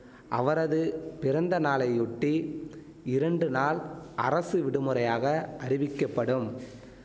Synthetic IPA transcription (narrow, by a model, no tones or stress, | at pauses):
ʔɐʋɐɾɐðɯpɪɾɐnd̪ɐnaːlɐɪʊʈːi | ɪɾɐɳɖɯnaːlɐrɐsɯʋɪɽɯmɯɾɐjaːɣɐʔɐɾɪʋɪkːɐpːɐɽɯm